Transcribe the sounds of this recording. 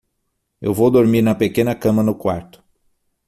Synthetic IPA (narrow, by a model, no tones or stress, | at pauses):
ḛwvowd̪oɾmiɾnɐpekẽnɐkɐ̃mɐnʊkwaɾt̪ʊ̥